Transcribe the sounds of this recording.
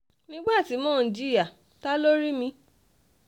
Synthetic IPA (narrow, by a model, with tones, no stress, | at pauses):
nĩ˦ɡ͡ba˦˨ti˨˦mɔ̃˨˦˨d͡ʒi˦ɾi˦a˦˨ | ta˦lo˦ɾi˦mĩ˧˦